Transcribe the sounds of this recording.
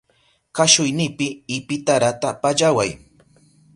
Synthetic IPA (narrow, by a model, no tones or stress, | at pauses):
kaʃʊjnɪpɪːpɪt̪aɾat̪apaʎawaj